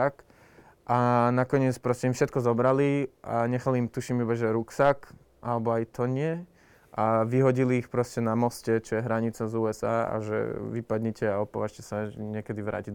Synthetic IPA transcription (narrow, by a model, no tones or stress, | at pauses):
ak | ʔanakɔɲɪɛt͡spɾɔscɛimfʃɛt̪kɔzɔbɾaliʔa̰ɲɛxaliimt̪uʃimibaʒɛɾuksak | ʔalɛbɔajt̪ʰɔɲɪɛ | ʔaʋiɦɔɟiliːxpɾɔscɛnamɔscɛt͡ʃɔjɛɦɾaɲit͡sazuːɛzaːa̰ʒɛ̰ʋipad̪ɲɛcɛaɔpɔʋaʃcɛsaɲɪɛkɛd̪iʋɾa̰ːci